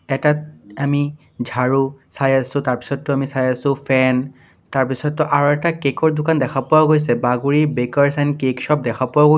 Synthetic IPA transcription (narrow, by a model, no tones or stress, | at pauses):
ɛtat̚ami | d͡ʒʱaɹusajasʊ̃taɹpi̥sɔtːʊamisajasʊ̃pʰɛn | taɹpisɔtːɔʔaɹɔɛtakekɔɹdʊkandɛkʰapʊwaɡojsɛbaɡuɹibekaɹsajnkeksɔp̚dɛkʰapʊwaɡo